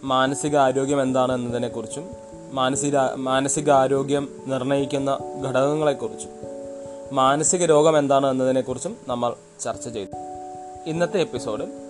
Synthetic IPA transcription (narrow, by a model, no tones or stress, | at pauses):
maːnɐsiɣɐaːɾo̞ːɡjɐme̞nd̪aːɳɨe̞nːɐðine̞kːurit͡ɕːumː | aːnɐsimaːnɐsiɣɐaːɾo̞ːɡjɐmnirɳɐjikʲːunːɐɡʱɐɽɐɣɐŋːɐɭe̞kːurit͡ɕːu̥ | maːnɐsiɣɐɾo̞ːɡɐme̞nd̪aːɳɨe̞nːɐðine̞kːurit͡ɕːumnɐmːɐɭ | t͡ɕɐrt͡ɕːɐt͡ɕe̞jt̪u | inːɐt̪ːe̞epːiso̞ːɖɨ